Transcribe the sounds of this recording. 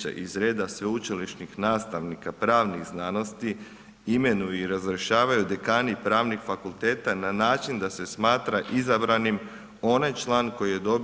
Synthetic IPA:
a̰ʔizɾe̞ːd̪asʋeut͡ʃiliʃnixnaːst̪aʋnikapɾaːʋniɣznano̞st̪i | ime̞nujuiɾazɾeʃaːʋajud̪ekaːnipɾaːʋnixfakulˠt̪e̞ːt̪ananaːt͡ʃind̪ase̞smaːt̪ɾaʔizabɾanim | o̞najt͡ʃlˠaːnko̞jije̞d̪o̞b

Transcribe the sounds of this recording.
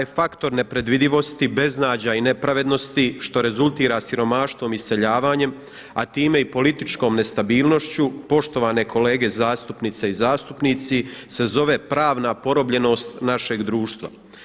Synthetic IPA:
t̪jfakt̪o̞ɾne̞pɾe̞d̪ʋid̪iʋo̞st̪ibe̞znaːd͡ʑaine̞pɾaʋe̞d̪no̞st̪iʃt̪o̞ɾe̞zulˠt̪iːɾasiɾo̞maʃt̪ʋo̞ːmise̞ʎaːʋaːɲe̞m | at̪iːme̞ipo̞lit̪it͡ʃko̞ːmne̞st̪abiːlno̞ʃt͡ɕupo̞ʃt̪o̞ʋaːne̞kʰo̞le̞ːɡe̞zaːst̪upnit̪seizaːst̪upnit̪sise̞zo̞ʋe̞pɾaːʋnapo̞ɾo̞bʎe̞no̞ːst̪naʃe̞ɡd̪ɾuːʃt̪ʋa̰

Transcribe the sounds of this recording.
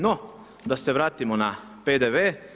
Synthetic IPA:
no | d̪aseʋɾaːt̪imona | peːd̪eʋeː

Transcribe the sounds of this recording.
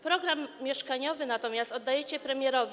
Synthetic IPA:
pɾɔɡɾamːʲjɛʂkaɲɔvɘnat̪ɔmʲjast̪ɔd̪ːajɛt͡ɕɛpɾɛmʲjɛɾɔvʲ

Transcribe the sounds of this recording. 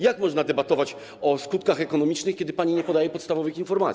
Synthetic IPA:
jakmɔʐnad̪ɛbat̪ɔvat͡ɕ | ɔskut̪kaxɛkɔnɔmʲit͡ʂnɘxkʲɛd̪ɘpaɲiɲɛpɔd̪ajɛpɔt̪st̪avɔvɘxinfɔɾmat̪sʲ

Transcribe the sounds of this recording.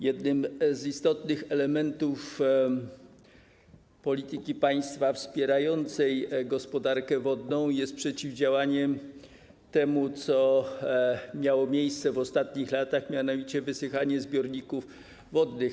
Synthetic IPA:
jɛd̪nɘmzist̪ɔt̪nɘxɛlɛmɛnt̪uf | pɔlʲit̪ɘkʲipaj̃st̪fafspʲjɛɾajɔnt̪sɛjɡɔspɔd̪aɾkɛvɔd̪nɔ̃w̃jɛst̪̚pʂɛt͡ɕivd͡ʑawaɲɛm | t̪ɛmut̪sɔ | mʲjawɔmʲjejst̪sɛvɔst̪at̪ɲixlat̪axmʲjanɔvʲit͡ɕɛvɘsɘxaɲɛzbʲjɔɾɲikuf | vɔd̪nɘx

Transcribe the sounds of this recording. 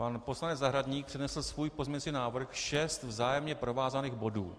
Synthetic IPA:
panpo̞slanɛd͡zzaɦɾadɲiːk̚pr̝̥ɛdnɛsl̩svuːjpo̞zmɲɛɲt͡siːnaːvr̩xʃɛst̪vzaːjɛmɲɛpɾo̞vaːzaniːɣbo̞dṵː

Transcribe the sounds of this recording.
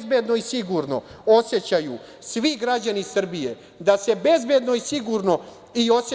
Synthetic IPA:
zbed̪no̞isiɡuɾno̞̰o̞sjet͡ɕaju | sʋiɡɾad͡ʑanisr̩bije̞ | d̪ase̞be̞zbe̞d̪no̞isiɡuɾno̞ | io̞se

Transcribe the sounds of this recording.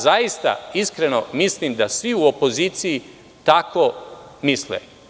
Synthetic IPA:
zajist̪a̰iskɾe̞no̞mislimd̪asʋiuopo̞ziːt̪siji | t̪ako̞ | mislḛ

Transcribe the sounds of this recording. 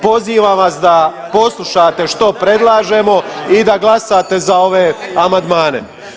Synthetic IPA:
po̞ziːʋaːmʋasd̪a | po̞slˠuʃaːt̪e̞ʃt̪o̞pɾe̞d̪lˠaːʒe̞mo̞id̪aɡlasat̪e̞zao̞ʋe̞amand̪maːne̞̰

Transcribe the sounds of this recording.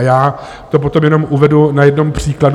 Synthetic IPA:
jaː | t̪o̞p̬o̞t̪o̞mjɛno̞mʔuvɛdunajɛdnompr̝̥iːklad

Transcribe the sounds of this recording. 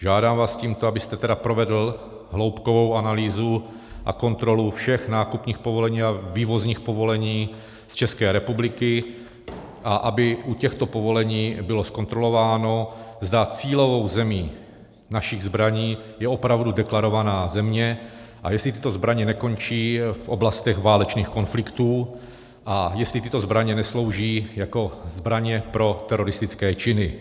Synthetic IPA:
ʒaːdaːmvaːsciːmt̪oabɪst̪ɛt̪ɛdapɾovɛdl̩ | ɦlo̞wpkovo̞wʔanaliːzu | ʔa̰ko̞nt̪ɾo̞lufʃɛxnaːkupɲiːxpovo̞lɛɲiːaviːvo̞zɲiːxpovo̞lɛɲiː | st͡ʃɛskɛːɾɛpublɪkɪ | ʔaʔabɪʔucɛxt̪o̞po̞vo̞lɛɲiːbɪlo̞sko̞nt̪ɾo̞lo̞vaːno̞zd̪at͡siːlo̞vo̞wzɛmiː | naʃɪɣzbɾaɲiːjɛo̞pɾavdudɛklaɾo̞vanaːzɛmɲɛʔajɛstlɪt̪ɪ̥t̪o̞zbɾaɲɛnɛko̞nt͡ʃiːfʔo̞blast̪ɛɣvaːlɛt͡ʃniːxko̞nflɪkt̪uː | ʔajɛslɪt̪ɪt̪o̞zbɾaɲɛnɛslo̞wʒiːjako̞zbɾaɲɛpɾo̞t̪ɛɾo̞ɾɪst̪ɪt͡skɛːt͡ʃɪnɪ

